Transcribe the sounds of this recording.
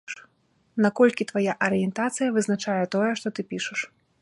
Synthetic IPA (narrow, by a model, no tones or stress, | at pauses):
nakɔlʲkʲit̪vajaʔɐɾɨjɛnt̪at̪sɨjɐvɨznat͡ʂajɛt̪ɔjɛʂt̪ɔt̪ɨpʲiʂɨʂ